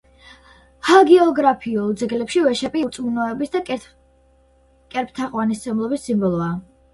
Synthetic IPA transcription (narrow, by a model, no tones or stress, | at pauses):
haɡɛɔɡɾapʰiulˠd̪zɛɡlɛpʃivɛʃɛpʼiuɾt̪sʼmunɔɛbisd̪a | kʼɛɾp̚t̪ʰaqʼwanist̪sʰɛmlˠɔbisːimbɔlˠɔa